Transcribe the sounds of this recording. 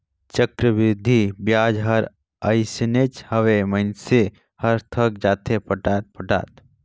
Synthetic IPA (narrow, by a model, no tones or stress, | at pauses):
t͡ʃəkɾəbɪd̪ʱibjaːd͡ʒɦɐɾ | ɐjsnet͡ʃhɐʋemɐnse | hɐɾt̪ʰək̚d͡ʒaːt̪ʰepɐʈaːt̪̚pɐʈa̰ːt̪